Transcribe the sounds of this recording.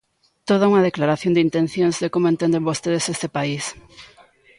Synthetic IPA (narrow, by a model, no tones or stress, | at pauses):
t̪oð̞auŋɐðeklaɾaθjond̪int̪en̟θjoŋzðekomoẽnt̪end̪embost̪eðesest̪epais